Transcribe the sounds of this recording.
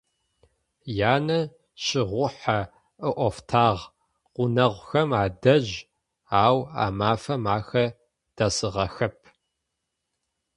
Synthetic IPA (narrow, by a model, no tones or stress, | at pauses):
jaːnɐ | ɕɪʁʷʊħa | ɨʔʷɔftʰaːʁ | qʷʊnɐʁʷxɐmaːdɐʑ | aːwa̰ːmaːfɐmaːxɐ | d̥ɐsɨʁɐxɐpʰ